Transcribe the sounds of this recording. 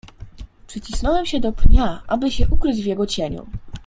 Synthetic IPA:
pʂɘt͡ɕisnɔwɛmɕɛd̪ɔpɲaʔabɘɕɛʔukɾɘd͡ʑvjɛɡɔt͡ɕeɲṵ

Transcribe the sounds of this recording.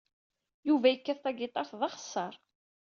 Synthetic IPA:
juvæjəkːæθt̪ˤɑɡɪt̪ˤɑɾθðˤɑχə̥sˤːɑɾˤ

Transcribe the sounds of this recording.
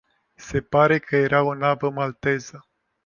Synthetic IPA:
se̞paɾe̞kʰəje̞ɾaonavəmalt̪e̞zə

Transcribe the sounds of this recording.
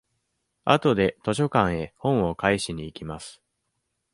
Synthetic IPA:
at̪o̞d̪e̞t̪o̞ɕo̞kãɰ̃e̞hõ̞ɰ̃o̞kaiɕiɲ̟iːkʲimasɨ̥

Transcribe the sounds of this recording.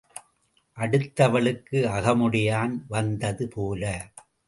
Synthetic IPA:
ʔɐɽɯt̪ːɐʋɐɭɯkːɯɐɣɐmʊɽɪjaːnʋɐnd̪ɐðɯpoːlɐ

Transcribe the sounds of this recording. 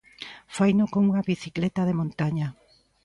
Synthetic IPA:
fajnokoŋuŋaβiθiklet̪aðemõnt̪aɲa

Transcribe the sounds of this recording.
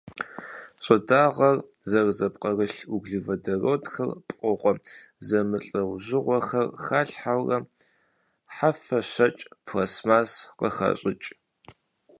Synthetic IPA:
ɕʼɐdaːʁɐr | zɐrzɐpqɐrɨɬuɡɮivɐdɐroːdxɐrpʼqʼɔʁʷɔ | zɐmɨɬʼɐwʑɪʁʷɔxɐrxaːɬħawrɐ | ħafɐɕɐt͡ʃʼpʰrɐsmaːsqəxɐ̰ɕʼɪt͡ʃʼ

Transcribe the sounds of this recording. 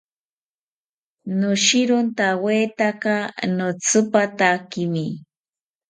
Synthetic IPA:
nʊʃɪɾʊnt̪awet̪akanot͡sɨpat̪akɪmi

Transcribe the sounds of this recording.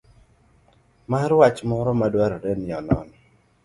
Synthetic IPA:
maɾwat͡ʃmɔɾɔmadwaɾɔɾɛnɪɔnɔ̰nɪ

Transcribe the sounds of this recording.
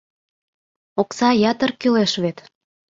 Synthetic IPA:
oksɑjɑt̪ə̆rkyleʃβet̪

